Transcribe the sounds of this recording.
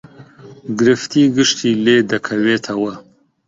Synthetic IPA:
ɡɨɾɨft̪ʰiːɡɨʃt̪ʰiːleːd̪ɐkʰɐweːt̪ʰɐwɐ

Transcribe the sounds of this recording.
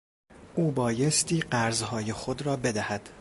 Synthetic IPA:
ʔuːbɒːje̞st̪ʰiːɢæɾzɦɒːje̞xod̪rɒːbe̞d̪æhæd̪̥

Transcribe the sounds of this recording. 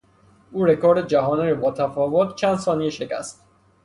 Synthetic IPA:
uːɾekʰoːɾd̪ed͡ʒæɦɒːniɾibɒːt̪ʰæfɒːvot̪t͡ʃʰænd̪sɒːnieʃecʰæ̰st̪̚

